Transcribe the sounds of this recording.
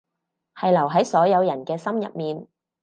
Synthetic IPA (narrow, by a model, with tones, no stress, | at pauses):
hɐ˨jlɐ˨˩wɦɐ˨˥jsɔː˨˥jɐ˨˧wjɐ˨˩nkɛː˧sɐ˥mjɐ̰˨p̚miː˨n